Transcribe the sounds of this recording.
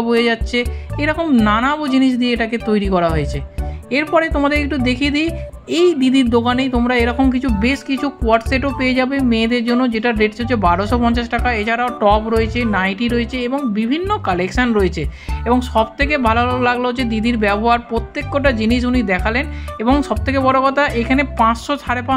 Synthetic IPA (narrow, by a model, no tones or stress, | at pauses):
bʱojed͡ʑatːɕʰeeɾɔkomnanabod͡ʑiniʃ̬d̪ieeʈaket̪ojɾikɔɾaɦoet͡ɕʰeeɾpɔɾet̪omad̪eɾek̚ʈud̪ekʰid̪i | ejd̪id̪iɾd̪okanejt̪omɾaeɾɔkomk̬it͡ɕʰubeʃkit͡ɕʰukuaʈseʈopeed͡ʑabemẽːd̪eɾd͡ʑonːod͡ʑeʈaɾeʈt͡ɕoebaɾoʃopɔɲt͡ɕaʃʈakaet͡ɕʰaɾaoʈɔpɾoet͡ɕʰenajʈiɾoet͡ɕʰeeboŋbibʱinːokalekʃanɾoet͡ɕʰeeboŋʃɔbt̪ʰekebʱaloɦlolaɡlod͡ʑed̪id̪iɾbɛboɦaɾpɾot̪ːekːoʈad͡ʑiniʃ̬unid̪ɛkʰaleneboŋʃɔb̚t̪ʰekebɔɽokɔt̪ʰaʔekʰanepãt͡ɕʃot͡ɕʰaɾepa